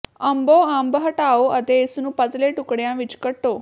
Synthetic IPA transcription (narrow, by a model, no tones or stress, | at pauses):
əmboambəɦəʈaoət̪esnupat͡s̪leʈukɽjãʋit͡ɕkəʈːo